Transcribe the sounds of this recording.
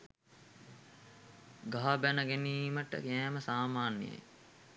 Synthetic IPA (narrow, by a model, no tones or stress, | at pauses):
ɡaɦabænəɡeniːməʈə̰kɛːməsaːmaːnjə̰j